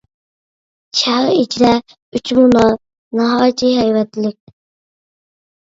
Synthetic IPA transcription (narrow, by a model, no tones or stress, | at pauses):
t͡ʃʰæʁid͡ʒɾɛ | yt͡ʃʰmunɑ | nɑɦɑːjt͡ʃ̪iɦɛjwɛt̪lɪk̚ʲ